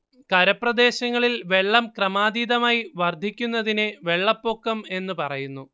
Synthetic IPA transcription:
kɐɾɐprɐd̪e̞ːɕɐŋːɐɭilʋe̞ɭːɐmkrɐmaːd̪iːd̪ɐmaːjiʋɐrd̪ʱikʲːunːɐðinɨʋe̞ɭːɐpːo̞ːkːɐme̞nːupɐrɐjunːu

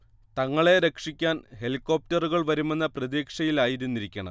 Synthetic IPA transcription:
t̪ɐŋːɐɭe̞ɾe̞kʂikʲːaːnhe̞likːo̞ːp̚tɐruɣɐɭʋɐɾume̞nːɐprɐðiːkʂɐjilaːjiɾunːiɾikʲːɐɳɐ̰

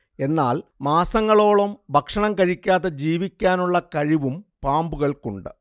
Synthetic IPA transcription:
e̞nːaːlmaːsɐŋːɐɭo̞ːɭɐmbʱɐkʂɐɳɐmkɐɻikʲːaːðed͡ʑiːʋikʲːaːnuɭːɐkɐɻiʋumpaːmbuɣɐɭkuɳɖɨ

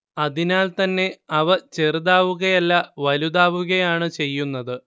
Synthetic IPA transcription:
ɐðinaːlt̪ɐnːe̞ɐʋɐt͡ɕe̞rðaːʋuɣɐjɐlːɐʋɐluðaːʋuɣɐjaːɳɨt͡ɕe̞jːunːɐðɨ

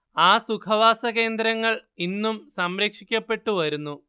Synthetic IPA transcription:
aːsukʰɐʋaːsɐɣe̞ːnd̪ɾɐŋːɐɭinːumsɐmɾeːkʂikʲːɐpːe̞ʈːuʋɐɾunːu

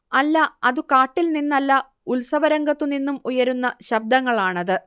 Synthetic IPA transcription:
ɐlːɐɐðukaːʈːilninːɐlːɐ | ulsɐʋɐɾɐŋɡɐt̪ːuninːumujɐɾunːɐɕɐb̚d̪ɐŋːɐɭaːɳɐðɨ

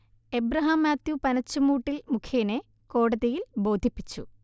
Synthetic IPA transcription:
ebɾɐɦɐmaːt̪jupɐnɐt͡ɕːumuːʈːilmukʰjeːne | ko̞ːɽɐðejilbo̞ːd̪ʱipːit͡ɕːṵ

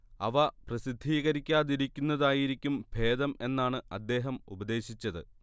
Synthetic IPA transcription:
ɐ̰ʋɐprɐsid̪ʱːiːɣɐɾikʲːaːðiɾikʲːunːɐðaːjiɾikʲːumbʱe̞ːd̪ɐme̞nːaːɳɨɐd̪ːe̞ːɦɐmṵbɐd̪e̞ːɕit͡ɕːɐðɨ̰

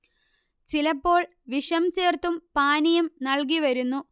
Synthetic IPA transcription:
t͡ɕilɐpːo̞ːɭ | ʋiʂɐmt͡ɕeːrt̪umpaːnijumnɐɭk̬iʋɐɾunːu

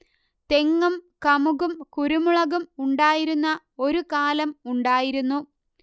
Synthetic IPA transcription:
t̪e̞ŋːɐmkɐmuɣumkuɾumuɭɐɣumuɳɖaːjiɾunːɐ | o̞ɾukaːlɐmuɳɖaːjiɾunːu

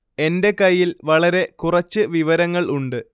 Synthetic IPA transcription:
e̞nde̞kɐjːilʋɐɭɐɾe̞kurɐt͡ɕːɨʋiʋɐɾɐŋːɐɭuɳɖɨ

